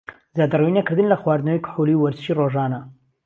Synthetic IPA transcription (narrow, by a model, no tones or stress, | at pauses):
zad̪ɐrwinɐkɨɾd̪ɨnlɐxwaːɾd̪nɐwijkʰʊ̥ħuliwɐɾzɨʃiːroʒaːnɐ